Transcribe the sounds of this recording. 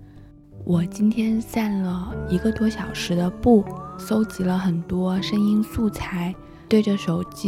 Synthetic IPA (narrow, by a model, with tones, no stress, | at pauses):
wʔɔ˨˩t͡ɕi˥nt̪ʰjɛ˥nsa˥˩nlə˩i˧˥ɡə˧t̪wɔ˥ɕjɑ˨˩ʊʂɻ̩˧˥d̪ə˧pu˥˩so˥ʊt͡ɕi˧˥lə˧xə˨˩nt̪wɔ˥ʂə˥ŋi˥nsu˥˩t͡sʰa˧˥ɪ | t̪we˥˧ɪʈ͡ʂə˩ʂo˨˩ʊt͡ɕi˥